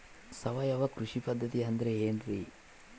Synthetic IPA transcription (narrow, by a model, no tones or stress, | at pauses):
sɐʋɐjɐʋɐkɾuʂipɐd̪ʱːɐt̪iɐnd̪ɾeeːnɾi